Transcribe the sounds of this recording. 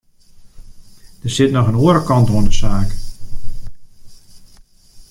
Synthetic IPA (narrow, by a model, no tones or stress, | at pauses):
d̥ərsɪtnɔxənoəɾəkɑntoəndəsaːk